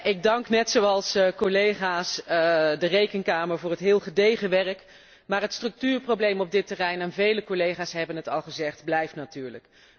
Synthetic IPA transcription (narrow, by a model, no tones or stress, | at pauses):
ɪɡ̚dɑŋknɛtsowɑlˠskolejχaːsdərejkənkaːməɹvʊːrɦətɦɪːlˠχədejχəʋɛrək | maːɹɦətstrɵk̚tyːɹprowblejmɔb̚dɪtərɛjnɛnvejləkolejχaːsɦɛbənɦətɑlˠχəzɛχdblɛjftnatyːɹlək